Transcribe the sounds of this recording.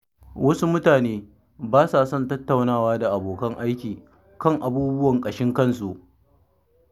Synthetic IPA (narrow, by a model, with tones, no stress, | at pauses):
wʔɐ˦su˦mʊ˦taː˨neː˦ | baː˦saː˨sɔ˦ntɐ˦tːa˨wnaː˦˨waː˦da˨ʔa˨boː˨kɐ˦ŋʔa˦jkʲiː˨ | kɐ˦˨ŋʔa˨buː˦bʊ˦wɐ˨ŋkʼɐ˨ʃɪ˦ŋkɐ˦˨nsu˨ʔ